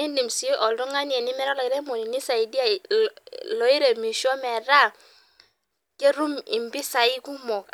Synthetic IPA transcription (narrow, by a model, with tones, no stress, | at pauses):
i˦ndi˨msi˨˦ʔɔ˨ldɔ˦ŋa˦n˦ɛ˨nɪ˦mɛ˦ɾa˦lɔ˨ɪ˨ɾɛ˦mo˨ni˨ni˦sa˨i˨di˦a˦˨ | lɔ˨˦i˦ɾe˨mi˨ʃɔ˦mɛ˨ɾa˦˨ | ke˦ɾu˦mɪ˨mbi˦sa˨ɪ˦ku˦mɔ˨k